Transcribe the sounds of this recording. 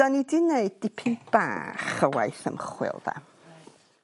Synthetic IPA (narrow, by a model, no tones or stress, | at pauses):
ɔnidineɨd̚ːɪpʰɪnb̥a̰ːχəwa̰jθəmχwɪ̰lˠðɛ̰